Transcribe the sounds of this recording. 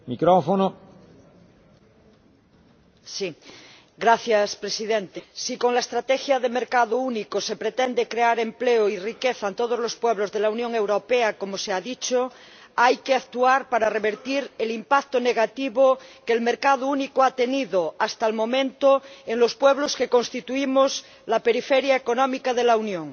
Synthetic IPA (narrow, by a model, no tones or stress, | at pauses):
mikɾɔfono | si | ɡɾaθjaspɾesiðent̪esiko̞ŋlaest̪ɾat̪exjaðemeɾkaðounikosepɾet̪end̪ekɾeaɾempleoirikeθant̪oð̞ozlospweβ̞lozðelaunjõ̞ŋe̞wɾopeakomoseaðit͡ʃo | ajkeak̚t̪uaɾpaɾareβeɾt̪iɾelimpak̚t̪oneɣat̪iβokeːlmeɾkað̞ounikoat̪eniðoast̪almo̞mẽnt̪oeŋlospweβ̞loskekonst̪it̪uimos | lapeɾifeɾjaekonõmikaðelaunjõŋ